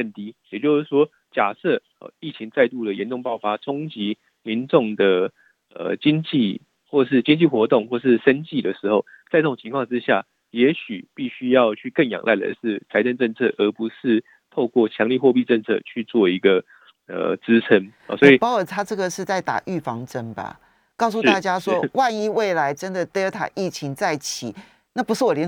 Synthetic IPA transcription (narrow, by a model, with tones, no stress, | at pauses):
kə˥˩nt̪i˥jɛ˨˩t͡ɕjo˥˧ʊʂɻ̩˥˩ʂwɔ˥ | t͡ɕja˨˩sə˥˧ | ɔ̰˨˩i˥˩t͡ɕʰi˧˥ŋt͡sa˥˧ɪt̪u˥˩d̪ə˩jɛ˧˦nʈ͡ʂʊ˥˧ŋpɑ˥˩ʊfa˥ʈ͡ʂʰʊ˥ŋt͡ɕi˧˥ | mi˧˥nʈ͡ʂʊ˥˩ŋd̪ə˩ | ə̰˨˩t͡ɕi˥ŋt͡ɕi˥˨ | xwɔ˥˩ʂ̬ɻ̩˥˩t͡ɕi˥ŋt͡ɕi˥˩xwɔ˧˥t̪ʊ˥˨ŋxwɔ˥˩ʂ̬ɻ̩˥˩ʂə˦˥nt͡ɕi˥˨˩d̪ə˩ʂɻ̩˧˥xo˥˧ʊt͡sa˥˧ɪʈ͡ʂɤ˥˩ʊ˨˩ŋt͡ɕʰi˧˥ŋkʰwɑ˥˧ŋt͡sʈ͡ʂɻ̩˦ɕja̰˥˩ | jɛ˧˥ɕy˨˩pi˥˩ɕy˥jɑ˥˧ʊt͡ɕʰy˥˧kə˥˩njɑ̰˨˩ŋlʔa˥˩ɪlə̰˨˧˩ʂɻ̩˥˩t͡sʰa˧˥ɪʈ͡ʂə˥˧nʈ͡ʂə˥˧nt͡sʰɤ̰˥˩ʔə˧˥pu˨˧˦ʂɻ̩˥˧ | t̪ʰo˥˧ʊkwɔ˥˩t͡ɕʰjɑ˧˥ŋli˥˧xwɔ˥˧pi˥˧ʈ͡ʂə˥˧nt͡sʰɤ̰˥˧t͡ɕʰy˥˧t͡swɔ˥˩i˧˥ɡə˧ | ə̰˨˩t͡sɻ̩˦t͡sʰə˧˥n̰˨swɔ˧˥i˨pɑ˥ʊə˨˩t̪ʰa˥ʈ͡ʂɤ˥˩ɡə˨ʂɻ̩˥˧t͡sa˥˩ɪt̪a̰˨˩ʔy˥˩fɑ˧˥ŋʈ͡ʂə˦˥nba̰˨ | kɑ˥˩ʊs̬u˥˧t̪a˥˩t͡ɕja˥swɔ˥wa˥˧ni˥˧we˥˩ɪla˧˦ɪʈ͡ʂə˦nd̪ə˨t̪ə˥ə˧˥t̪ʰa̰˨˩ʔi˥˩t͡ɕʰi˧˥ŋt͡sa˥˩ɪt͡ɕʰi˨˩˦ | na˥˩pu˧˥ʂɻ̩˥˩wɔ˨˩ljɛ˧˦n